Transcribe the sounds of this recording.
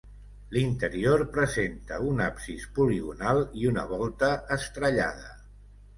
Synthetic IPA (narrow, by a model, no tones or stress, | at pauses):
lint̪əɾioɾpɾəzent̪əunapsispuliɣunalˠiunə̰β̞ɔlˠt̪əːst̪ɾəʎa̰ðə